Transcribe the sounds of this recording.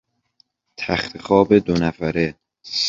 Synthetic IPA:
t̪ʰæxt̪ʰexɒːbe̞d̪onæfæɾe | s

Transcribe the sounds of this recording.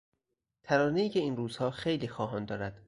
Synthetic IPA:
t̪ʰæɾɒːnejiːcʰeiːnruːz̥hɒːxejliːxɒːɦɒːnd̪ɒːɾæd̪̥

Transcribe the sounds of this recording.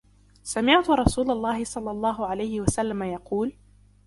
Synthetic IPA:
samɪʕt̪ʊɾˤɑsuːlɑlˤːɑːhɪsˤɑlːɑlˤːɑːɦʊʕalajhɪwasalːamajɑquːl

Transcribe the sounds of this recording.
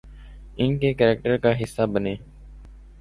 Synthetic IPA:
ɪ̃ːkeːkəːɾek̚ʈəɾkaːɦɪsːaːbəneː

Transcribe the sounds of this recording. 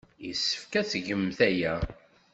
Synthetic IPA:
jisə̥fkæθʝəmθæjæ

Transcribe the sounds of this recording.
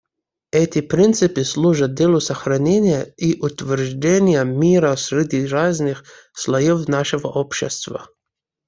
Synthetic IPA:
ɛt̪ʲɪpɾʲint̪sɨpɨslˠuʐɐt̪̚d̪ʲelʲˠʊsɐxɾɐnʲenʲɪjəiʔʊt̪vʲɛrʐdʲenʲɪjəmʲiɾəsɾʲɪd̪ʲiɾaznɨx | slˠɐjɔfnaʂɨvə̰ʔopɕɛ̰st̪vɐ̰

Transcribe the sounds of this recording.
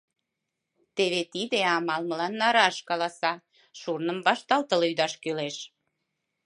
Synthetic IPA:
t̪eβet̪id̪eɑmɑlmə̆lɑnːɑɾɑʃkɑlɑsɑ | ʃurnəmbɑʃt̪ɑlt̪əlyd̪ɑʃkøleʃ

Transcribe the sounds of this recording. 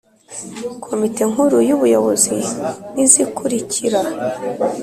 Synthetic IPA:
kʰo̞mite̞ŋuɾujuβujo̞βo̞zinizikuɾicʰiɾa

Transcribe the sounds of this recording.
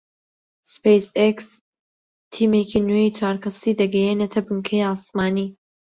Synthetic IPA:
spejseks | t̪ʰiːmekʰinwejt͡ʃʰaːɾkʰɐsiːd̪ɐɡɛjenet̪ʰɐbɨŋkʰejɑːsmaːniː

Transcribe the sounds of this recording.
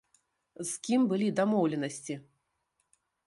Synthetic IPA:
zkʲimbɨlʲid̪amɔwlʲɛnɐsʲt͡sʲi

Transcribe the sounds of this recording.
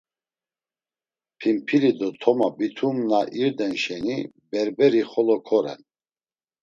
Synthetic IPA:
pʰimpʰilid̪ɔt̪ʰɔmabit̪ʰumnaʔiɾd̪ɛnʃɛni | bɛɾbɛɾiχɔlɔkʰɔɾɛ̰n

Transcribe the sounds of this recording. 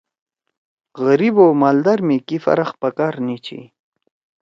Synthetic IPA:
ɣəɾibomald̪aɾmikifa̰ɾaχpakaɾnit͡ʃḭ

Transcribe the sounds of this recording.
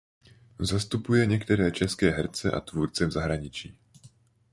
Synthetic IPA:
zast̪upujɛɲɛkt̪ɛɾɛːt͡ʃɛskɛːɦɛɾt͡sɛʔa̰t̪vuːɾt͡sɛvzaɦɾaɲɪt͡ʃiː

